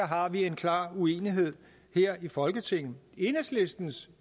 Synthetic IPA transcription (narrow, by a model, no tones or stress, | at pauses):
ɐɦɑ̈ʋie̝nkʰlɑ̰̈ːue̝̰ːniɦe̝ð̞̰ˠ | heɐ̰ifɒ̽lɡ̥ət͡sʰe̝ŋ̰n̩e̝nəsle̝sd̥n̩s